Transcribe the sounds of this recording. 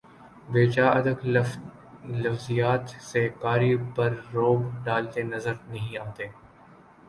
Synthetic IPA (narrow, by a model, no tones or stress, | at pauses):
beːt͡ʃaːɐd̪ək | lɐfzijaːt̪sekaːɾipɐɾːoːbɖaːlt̪enɐzəɾnɐɦĩaːt̪eː